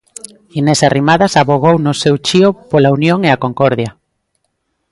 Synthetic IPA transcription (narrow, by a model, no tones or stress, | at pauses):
inesarimaðasaβoɣownʊsewt͡ʃiopolaunjoŋeakoŋkɔɾðja